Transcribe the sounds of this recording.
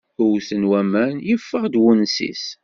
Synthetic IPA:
ʊwθənwæmænjəfːəʁd̪wunsḭs

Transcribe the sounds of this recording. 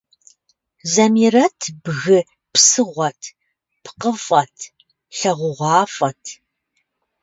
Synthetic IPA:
zɐmirɐtʰbɣɨ | psɨʁʷɐtʰ | pʰqəfʼɐtʰ | ɬɐʁʷʊʁʷɑːfʼɐtʰ

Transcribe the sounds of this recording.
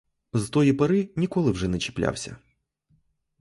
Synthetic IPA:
zt̪ɔjipɐɾɪnʲikɔlˠɪwʐɛnɛt͡ʃɪ̥plʲa̰wsʲɐ̰

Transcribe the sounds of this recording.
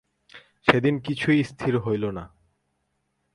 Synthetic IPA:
ʃed̪inkit͡ɕʰuist̪ʰiɾɦojlona

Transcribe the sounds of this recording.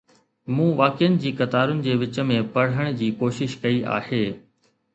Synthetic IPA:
mũːʋaːkɪənɪ̆d͡ʑiːkɐt̪aːɾʊnɪ̆d͡ʑeːʋɪt͡ɕə̆mẽpɐɽ̤əɽ̃d͡ʑiːkoːʃɪʃkɐia̰ːheː

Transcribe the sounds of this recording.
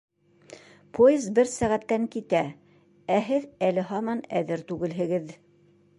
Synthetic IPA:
pʰojɪzbɘɾsæʁæt̪ːæŋkit̪æ | æɦɘðælɘɦɑmɑnæðɘɾt̪ʉɡɘ̆lɦɘ̆ɡɘð

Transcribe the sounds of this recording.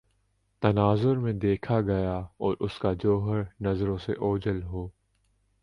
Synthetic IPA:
t̪ɐnaːzʊɾmẽd̪eːkʰaɡɐjaɔːɾʔʊskad͡ʒoːɦəɾnɐzɾõsḛʔoːd͡ʒəlɦoː

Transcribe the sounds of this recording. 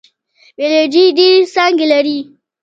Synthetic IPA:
beled͡ʒidisaŋɡʲɪlɐɾiː

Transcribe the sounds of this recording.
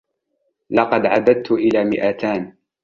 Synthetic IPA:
lɑqɑd̪ʕad̪ad̪̚t̪ʊʔɪlaːmɪʔat̪aːn

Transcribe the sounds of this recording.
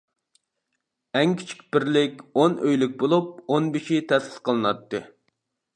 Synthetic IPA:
ɛŋkʲʰi̥t͡ʃʰi̥kʲb̥ɪɾlɪkʲonøjlyk̚ʲbolˠup̚onbeʃit̪ʰɛsɪ̥sqʰəlˠɨnɑt̪ːɨ

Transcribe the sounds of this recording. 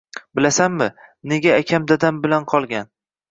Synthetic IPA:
bɪlasanmɪne̞ɡʲaːkʲʰamd̪ad̪ambɪlanqʰɒlˠɡʲan

